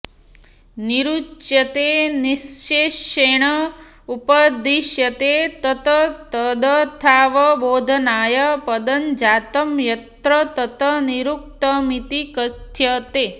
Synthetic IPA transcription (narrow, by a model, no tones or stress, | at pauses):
niɾut͡ʃjɐt̪enist͡ʃeːʃeːɳ̃ɐ | upɐd̪iʃjɐt̪eːt̪ɐt̪ɐt̪ɐd̪ɐɾt̪ʰaːʋɐboːd̪ʱɐnaːjɐpɐd̪ɐnd͡ʒaːt̪ɐmjɐt̪ɾɐt̪ɐt̪ɐniɾuk̚t̪ɐmit̪ikɐt̪ʰjɐt̪eː